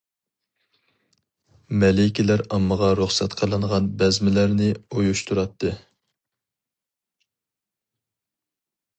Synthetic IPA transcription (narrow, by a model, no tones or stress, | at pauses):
mɛlɪkʲilæɾɑmːəʁɑɾuχsɛt̪qʰəlˠɨɴʁɑnbɛzmɪlæɾnɪojuʃt̪uɾɑt̪ʰːɨ